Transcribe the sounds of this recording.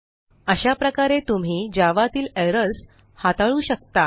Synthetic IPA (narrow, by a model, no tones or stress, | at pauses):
əɕapɾəkaɾet̪um̤iːd͡ʑaʋat̪iːleɾəs | hat̪aɭuːɕək̚t̪a